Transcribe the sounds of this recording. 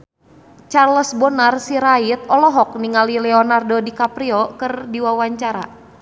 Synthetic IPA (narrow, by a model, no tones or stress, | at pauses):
t͡ʃarləsbɔnarsiɾait̪̚ɔlɔɦɔk̚niŋalilɛɔnardɔdikapɾiɔkɨrdiwawaɲt͡ʃaɾa̰